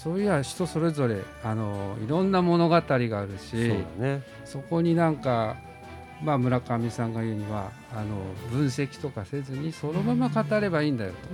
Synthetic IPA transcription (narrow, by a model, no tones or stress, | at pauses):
soːjɯβaɕi̥t̪o̞so̞ɾe̞zo̞ɾe̞ | ano̞ḭɾõ̞nːamo̞no̞ɡat̪aɾʲiɡaːɾɯ̟ɕid̪ane | so̞ko̞ɲ̟inãŋka | mamɯ̟ɾakamʲisãŋɡajɯ̟ːɲ̟iβa̰ː | no̞̰bɯ̟̃ɰ̃se̞kʲi̥t̪o̞kase̞zɨɲ̟isono̞mamakat̪aɾe̞baiːnd̪ajo̞̰t̪o̞